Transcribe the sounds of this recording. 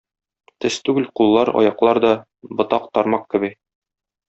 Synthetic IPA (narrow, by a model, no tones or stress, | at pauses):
t̪ɘst̪ʉɡɘlqulˠːɑɾɒ̰jɑqlˠɑɾd̪ɒ | bɤ̆t̪ɑqt̪ɒɾmɑq̚kɘ̆bɘ